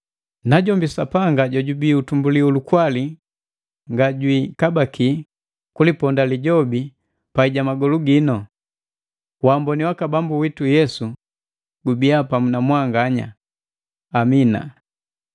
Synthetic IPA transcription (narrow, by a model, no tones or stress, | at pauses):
naɟɔmbisapaŋɡaɟɔɟubiutumbuliulukwali | ŋɡaɟwikabaki | kulipɔndaliɟɔbi | paiɟamaɡɔluɡinɔ | wambɔniwakabambuwitujɛsu | ɡubiapamunamwaŋɡaɲa̰ː | mina̰